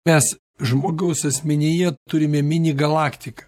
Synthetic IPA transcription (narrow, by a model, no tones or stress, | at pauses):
mʲɛs | ʒmoːɡɐʊsɐsʲmʲɛnʲɪjɛt̪ʊɾʲɪmʲɛmʲɪnʲiɡɐlˠɑːkt̪ʲɪkɐ̥